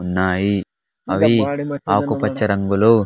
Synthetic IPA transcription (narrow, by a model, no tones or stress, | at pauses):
nːaːji | ɐʋiaːkupɐt͡ʃːɐɾɐŋɡulu